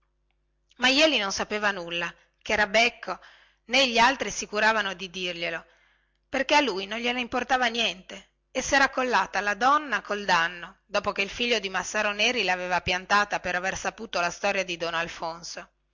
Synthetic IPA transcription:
majɛːlinonsapeːvanulːa | kɛːɾabɛkʰːo | neʎːialt̪ɾisikuɾaːvanod̪id̪irʎelo | perkealːujnonʎelaimport̪aːvanjɛnt̪e | esːɛɾakːolːaːt̪alad̪ɔnːakold̪anːod̪ɔːpokeilfiʎːod̪imasːaːɾoneːɾilaveːvapjant̪aːt̪apeɾaversapuːt̪olast̪ɔːɾjad̪id̪onalfonso

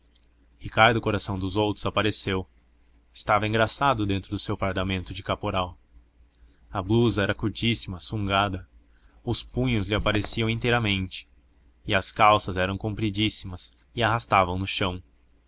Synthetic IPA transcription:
hikaɾd̪ʊkoɾasɐ̃w̃d̪ʊzowt̪ɾʊzapaɾesew | ɪ̥st̪avɐẽŋɡɾasad̪ʊd̪ẽnt̪ɾʊd̪ʊsewfaɾd̪amẽnt̪ʊd͡ʒɪkapoɾaw | ɐbluzɐɛɾɐkuɾt͡ʃisimɐsũŋɡad̪ɐ | ʊspũɲʊzlɪapaɾesiɐ̃w̃ĩnt̪ejɾɐmẽnt͡ʃɪ̥ | ɪɐskawsɐzɛɾɐ̃w̃kõmpɾid͡ʒisimɐs | ɪaɦast̪avɐ̃w̃nʊʃɐ̃w̃

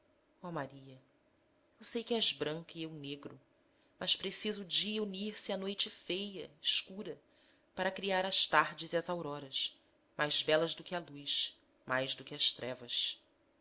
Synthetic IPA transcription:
ɔmaɾiɐ | ewsejkɪɛʒbɾɐ̃ŋkiewneɡɾʊ | mʔɐʃpɾesizʊːd͡ʒiɐuniɾsɪanojt͡ʃɪfejɐɪʃkuɾɐ | paɾɐkɾiaɾɐʃt̪aɾd͡ʒɪziɐzawɾɔɾɐs | majzbɛlɐzd̪ʊkɪalujʃ | majzd̪ʊkɪɐʃt̪ɾɛvɐs

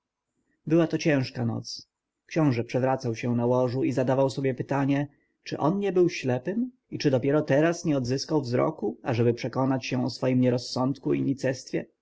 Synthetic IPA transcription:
bɘwat̪ɔt͡ɕɛ̃w̃ʂkanɔ̰t̪s | kɕɔ̃w̃ʐɛpʂɛvɾat̪sawɕɛ̃nawɔʐuizad̪avawsɔbʲjɛpɘt̪aɲɛ | t͡ʂɘʔɔnɲɛbɘwɕlɛpɘm | it͡ʂɘd̪ɔpʲjɛɾɔt̪ɛɾasɲɛɔd̪zɘskawvzɾɔ̰kuaʐɛbɘpʂɛkɔnat͡ɕɕɛ̃ɔsfɔjimɲɛɾɔsːɔnt̪kuḭɲit̪sɛst̪fʲjɛ̰

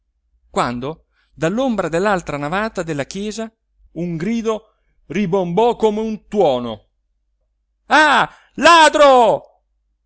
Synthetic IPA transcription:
kwand̪o | d̪alːombɾad̪elːalt̪ɾanavaːt̪ad̪elːakjɛːza | uŋɡɾiːd̪o | ribombɔkːomeunt̪wɔːno̰ | a | laːd̪ɾo

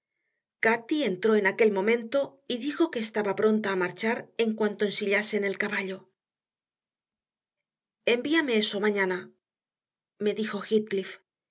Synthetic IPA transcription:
kat̪ie̞nt̪ɾo̞e̞nake̞lmõ̞mẽ̞nt̪o̞iðixo̞keːst̪aβapɾo̞nt̪aːmaɾt͡ʃaɾe̞ŋkwant̪o̞ensiʎase̞ne̞lkaβaʎo̞ | e̞mbiame̞eso̞mãɲana | me̞ðixo̞xit̪̚klif

